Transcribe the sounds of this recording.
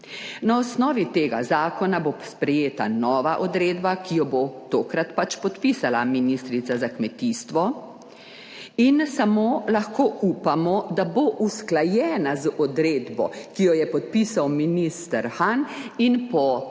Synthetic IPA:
naɔsnɔːʋit̪eːɡa̰zaːkɔnabospɾɛjeːt̪a̰nɔːʋaʔɔd̪ɾeːd̪bakijɔbot̪oːkɾat̪pat͡ʃpɔt̪pisalaminist̪ɾit̪sazakmɛt̪iːst̪ʋɔ | insamoːlaxkoːupamɔd̪aboʔusklajɛːnazɔd̪ɾed̪bɔ̰kijɔjɛpɔt̪̚pisawminist̪əɾxaninpɔ

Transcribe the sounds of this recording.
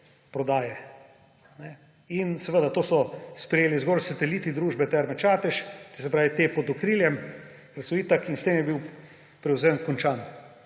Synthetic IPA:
pɾɔd̪aːjɛ | nɛ | insɛʋəd̪at̪oːsɔspɾɛjeːlizɡɔlsat̪ɛlit̪id̪ɾuːʒbɛt̪ɛɾmɛt͡ʃaːt̪ɛʃt̪isɛpɾaːʋit̪eːpɔd̪okɾiːljɛm | kɾɛt̪soiːt̪akinst̪emjɛbiw | pɾɛwzenkɔnt͡ʃaːn

